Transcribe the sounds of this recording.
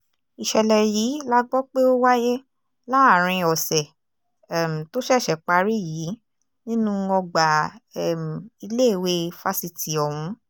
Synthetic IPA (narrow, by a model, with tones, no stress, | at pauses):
i˨ʃɛ˧lɛ˨jiː˨˦la˦ɡ͡bɔ˦k͡pe˦o˦wa˦je˦ | la˦a˦˨ɾ̃ĩ˧ɔ˨sɛ˨ | ɛ˨m̩˨to˦ʃɛ˦˨ʃɛ˨k͡pa˧ɾi˦jiː˨˦ | nĩ˦nũ˦˧ɔ˧ɡ͡ba˨ɛ˨m̩˨i˧le˦˨we˧fa˧si˧ti˨ɔ˨wũ˨˧˦